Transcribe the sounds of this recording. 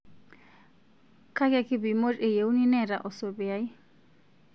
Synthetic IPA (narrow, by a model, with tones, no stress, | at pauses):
kʰa˦ka˦ki˦bi˨mo˦re˨je˨u˦ni˦nɛ˨ɾa˨ʔɔ˨so˨bi˨a˦i˦